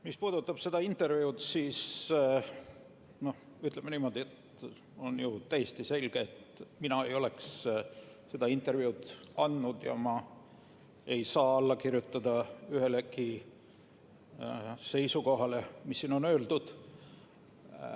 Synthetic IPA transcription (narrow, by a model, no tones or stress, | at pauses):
mispuːd̪ut̪ːˑɑb̥se̞d̪̥ɑint̪ːˑe̞rviud̪siːs | no̞h | yt̪ˑlemeniːmo̞d̪̥ie̞t̪ | o̞njut̪æjest̪ise̞lʲɡ̥eːt̪minɑe̞jo̞le̞ks | se̞d̪̥ɑint̪ːˑe̞rvjiud̪̥ɑnd̪nud̪̥jɑ̰mɑ | e̞jsɑːɑlːɑkirjut̪ːˑɑd̪̥ɑyɦe̞leki | se̞jsuko̞ɦɑle̞misːiːno̞nø̞ːld̪̥ud̪̥